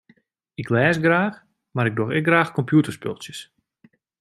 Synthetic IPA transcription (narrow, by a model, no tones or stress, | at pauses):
ɪklɛːsɡraːx | maɾɪɡ̚doxɪk̚ɡraːxkɔmpʰjutərspø̰lˠsjəs